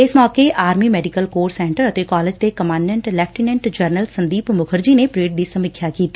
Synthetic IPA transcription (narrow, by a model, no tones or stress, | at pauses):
ɪsmɔːkeʔaːɾmiːmɛːɖɪkəlkoːɾsɛ̃ːɳʈəɾət̪ekaːlɪd͡ʒt̪ekəmãːɳɖɛ̃ɳʈlɛːp̚ʰʈinɛ̃ɳʈd͡ʒəɾnəlsə̃nd̪iːpmʊkʰəɾd͡ʒiːnepɾeːʈ̚d̪iːsəmɪkʰːjaːkiːt̪iː